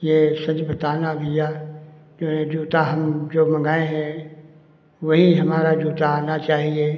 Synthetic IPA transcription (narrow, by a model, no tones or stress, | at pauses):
jeːsɐd͡ʒbɐt̪aːnaɡɪja | d͡ʒoːɦẽd͡ʒuːt̪aɦɐmd͡ʒoːmɐ̃ŋɡaːeɦɛ̃ | ʋɐɦiɦɐmaːɾad͡ʒuːt̪aːnat͡ʃaːɦie